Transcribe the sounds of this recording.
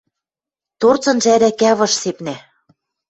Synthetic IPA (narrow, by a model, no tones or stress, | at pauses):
t̪ort͡sɤ̆nʒæɾækæβɤ̆ʃsepnæ